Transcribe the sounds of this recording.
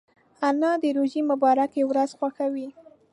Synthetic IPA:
anɑd̪əɾoʒimʊbɑɾakewɾazxwaxawi

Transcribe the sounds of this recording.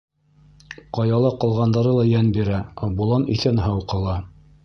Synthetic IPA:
qɑjɑlˠɑqɑ̆lˠʁɑnd̪ɑɾɤlˠɑjænbiɾæɑbulˠɑnḭθænɦɑwqɤ̆lˠɑ

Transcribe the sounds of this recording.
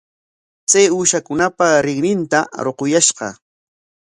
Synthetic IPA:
t͡sajuːʃakʊnapaɾɪŋnɪnt̪aɾoqʊjaʃɢɑ̰

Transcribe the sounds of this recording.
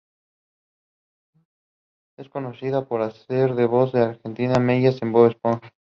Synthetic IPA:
esko̞nosiðapoɾaseɾðeβozðeaɾxe̞nt̪inameʝasemboβespon

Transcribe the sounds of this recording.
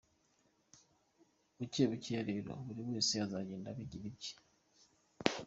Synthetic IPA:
βuceːβuciaɾeɾo̰βuɾiβweːsiazaɟeːndaβiɟiβici̥

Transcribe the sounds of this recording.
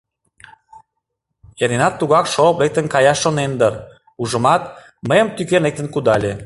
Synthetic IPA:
enenɑt̪ːuɣɑkʃoplek̚t̪ənkɑjɑʃːonend̪ər | uʒə̆mɑt̪̚ | məjəmt̪ykernek̚t̪ə̆nkud̪ɑlʲe

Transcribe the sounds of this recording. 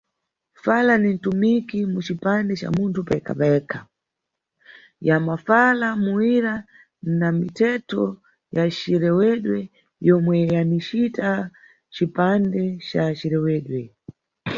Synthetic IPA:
falanin̩tumikimut͡ʃipandɛt͡ʃa̰muntʰupɛkʰa̰pɛkʰa | jamafalamuwiɾa | namitʰɛtʰɔ | jat͡ʃiɾɛwɛɗwɛ | jɔmwɛjanit͡ʃita | t͡ʃipandɛt͡ʃat͡ʃiɾɛwɛːɗwɛ

